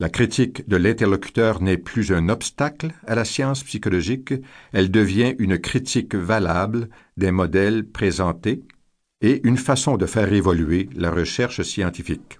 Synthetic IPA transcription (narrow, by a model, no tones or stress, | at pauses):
lakχit̪ʰikd̪əlɛ̃t̪ɛʁlɔkʲy̥t̪œːʁnɛplyzɛ̃nɔpst̪aklalasjɑ̃spsikɔlɔʒikɛld̪əvjɛ̃ʔynkχit̪ikvalabl | d̪ɛ̃mɔd̪ɛlpχezɑ̃t̪e | eʔynfasɔ̃d̪əfɛːʁevɔlyela̰ʁəʃɛʁʃsjɑ̃t̪ifik